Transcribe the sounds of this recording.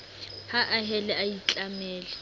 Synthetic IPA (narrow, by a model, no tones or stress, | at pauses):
haʔaɦɛlɛajit͡ɬʼamɛːlɛ